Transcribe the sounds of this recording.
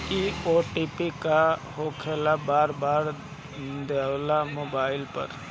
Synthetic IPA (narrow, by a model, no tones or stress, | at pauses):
ioːʈipikahokʰelabaːɾbaːɾ | d̪elamoːbaːɪlpə̰ɾ